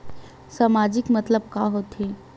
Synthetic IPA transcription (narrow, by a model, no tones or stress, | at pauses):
samad͡ʒɪkmɐt̪ləb̚kaɦot̪e